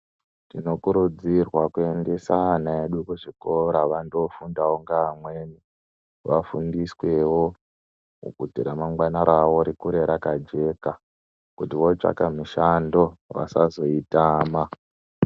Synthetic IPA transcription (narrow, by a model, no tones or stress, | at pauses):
tino̞kuɾud͡zirwakue̞nde̞sanaeɗukuʐiko̞ɾaʋando̞fundawoŋɡaːmweni | ʋafundiswe̞wo | ṵkutiɾamaŋɡwanaɾaʋo̞ɾikuɾe̞ɾakad͡ʒe̞ka | kutiʋo̞t͡ʂa̰kamiʃando̞ʋa̰sazo̞itaːma